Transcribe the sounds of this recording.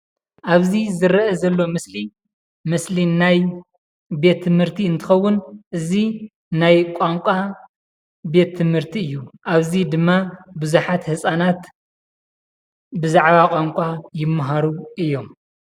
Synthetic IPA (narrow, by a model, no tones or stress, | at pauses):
ʔaβzizɨɾɐʔɐzɐlːo̞mɨsli | mɨslinaj | be̞t̪ʰːɨmhɨɾt̪ʰiɨnt̪ʰɨ̥xɐwːʊnʔɨzi | najkʷʼaŋkʷʼa | be̞t̪ʰːɨmhɨɾt̪ʰiɨjːuʔaβzid̪ɨmːabɨzuħat̪hɨsʼanat̪ | bɨzaʕβakʼaŋkʷʼajɪmːɐɦaɾuʔɨjːo̞m